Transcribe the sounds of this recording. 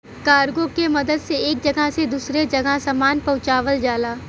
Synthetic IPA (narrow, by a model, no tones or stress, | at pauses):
kaːɾɡõkemɐd̪əd̪seeːk̚d͡ʒɐɡəsed̪uːsɾed͡ʒɐɡaɦsɐmaːnpɐ̃ʊt͡ʃaːʋəld͡ʒaːlaː